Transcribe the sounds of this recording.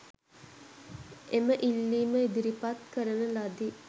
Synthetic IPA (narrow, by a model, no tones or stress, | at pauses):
eməʔilːiːməid̪iɾipat̪kəɾənəlad̪i